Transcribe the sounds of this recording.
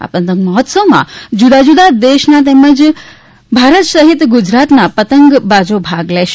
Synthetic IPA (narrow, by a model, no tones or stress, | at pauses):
a̰pə̃nt̪ə̃ŋɡməɦɔt̪səʋmã̰d͡ʒud̪ad͡ʒud̪ad̪eʃnat̪̬ɛməd͡ʒ | bʱaɾət̪səɦit̪ɡʊd͡ʒɾat̪napət̪əŋɡbad͡ʒobʱaɡlɛʃe